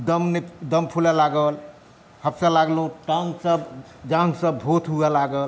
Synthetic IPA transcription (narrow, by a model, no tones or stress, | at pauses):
d̪əmned̪əmpʰulɛlaɡəl | həbsə̃laɡlɦũʈãŋɡsəb | d͡ʒãŋɡsəbʱot̪ʰɦualaɡəl